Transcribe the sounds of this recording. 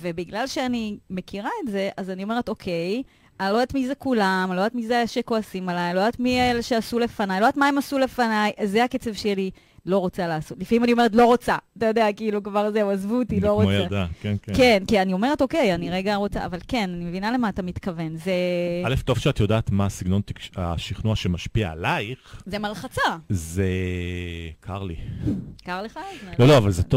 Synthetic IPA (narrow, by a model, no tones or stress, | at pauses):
ve̞biɡlalʃeanime̞kiʁae̞tze̞ʔazanio̞me̞ʁeto̞kʰe̞j | alod̪atmizekulamalod̪at̪mizeʃeko̞asimalajlo̞d̪atmieleʃeasule̞fanajlod̪atmae̞masule̞fanajzeaket͡sevʃeli | lo̞ʁot͡salaːso̞tlifaimanioe̞ʁet̪̬lo̞ʁot͡saatajo̞d̪eakiːlukvaʁzeuazvut̪iloʁojaadakenkekenkianio̞meʁe̞to̞ke̞janiʁeɡaʁo̞t͡sa̰avalke̞nanime̞vinale̞maːtamitkave̞nzealeft̪o̞vʃeat̪jodaːt̪masiɡno̞nt̪ikʃaʃiχnuaʃemaʃpiaːlajχzemalχat͡saze | kʰaʁlikaʁleχaloloavalzet